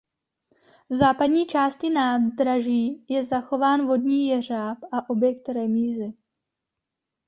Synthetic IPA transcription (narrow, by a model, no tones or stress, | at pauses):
vzaːpadɲiːt͡ʃaːscɪnaːd̪ɾaʒiːjɛzaxo̞vaːnvo̞dɲiːjɛr̝aːpʔaʔo̞bjɛk̚t̪ɾɛmiːzɪ